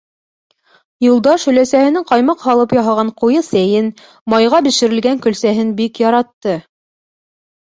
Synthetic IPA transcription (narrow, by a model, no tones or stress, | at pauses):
julˠd̪ɑʃhɵ̆læsæhɘ̆nɘŋqɑjmɑqhɑlˠɤpjɑɦɑʁɑɴqujɤsæjɘn | mɑjʁɑbiʃɘ̆ɾɘ̆lɡæŋkɵ̆lsæɦɘnbikjɑɾɑt̪ːɤ